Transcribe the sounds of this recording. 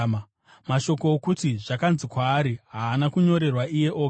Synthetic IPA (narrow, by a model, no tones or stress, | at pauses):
maʃo̞ko̞ːkutiʐakanzikwaːɾiɦaːnakuɲo̞ɾe̞rwaʔije̞ʔoːk